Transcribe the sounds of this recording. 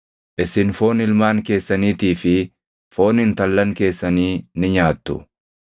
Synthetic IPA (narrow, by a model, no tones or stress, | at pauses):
ʔɪsɪnfo̞ːnɪlmaːŋke̞ːsːɐniːt̪iːfɪ | fo̞ːnɪnt̪ɐlːɐŋke̞ːsːɐniːnɪɲaːt̪ːʊ̰